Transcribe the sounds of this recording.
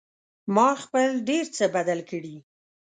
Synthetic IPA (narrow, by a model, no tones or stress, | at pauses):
mɑxpəlɖeɾt͡səbad̪alkəɽi